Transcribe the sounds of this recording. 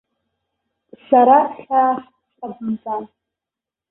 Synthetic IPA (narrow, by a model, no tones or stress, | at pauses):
saɾaɬaːχ | sʼabʷmt͡sʼan